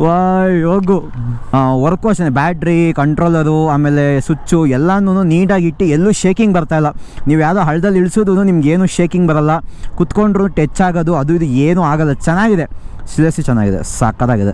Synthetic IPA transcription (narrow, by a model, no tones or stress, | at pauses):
ʋajɦoːɡu | ʋɐɾɐkoːʃɐnebaːʈɾikɐɳʈɾoːlːɐɾuaːmeːlesut͡ʃːuɛlːanːuːnuːniːɖaːɡiʈːielːuːʃe̞ːkiŋɡbɐɾt̪aːjɐlːɐniːʋujaːd̪oːɦɐɭːɐd̪ɐlːiɭsoːd̪unuːnimɐɡeːnuʃe̞ːkiŋɡbɐɾɐlːɐkut̪ko̞ɳɖɾunuʈet͡ʃːaːɡoːd̪uɐd̪uid̪ueːnuːaːɡɐlːɐt͡ʃɛnːaːɡid̪esilesit͡ʃɛnːa̰ːɡid̪ḛsa̰ːkɐd̪aːɡid̪ḛ